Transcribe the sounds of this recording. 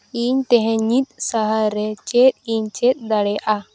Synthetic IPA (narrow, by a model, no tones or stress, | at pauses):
iɲt̪ɛ̃ɦɛ̃ɲit̪̚saɦaɾɛt͡ʃɛt̪̚iɲt͡ʃɛt̪̚ˀd̪aɽɛʔa